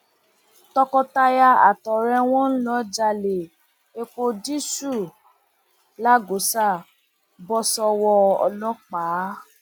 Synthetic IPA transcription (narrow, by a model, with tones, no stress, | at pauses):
tɔ˧kɔ˧ta˧ja˧a˨tɔ˨ɾɛ˧w̃ɔ̃˦n̩˦lɔ˦d͡ʒa˧le˨ | e˧k͡po˧di˦su˦˨ | la˦ɡo˨˦sa˦˨ | bɔ˧sɔ˧wɔ˧ɔ̰˧lɔ̃˦k͡pa˨˦